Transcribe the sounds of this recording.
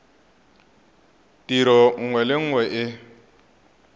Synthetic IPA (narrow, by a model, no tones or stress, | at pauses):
tiɾɔŋ̩ŋwɛlɪŋ̩ŋwɛʔɪ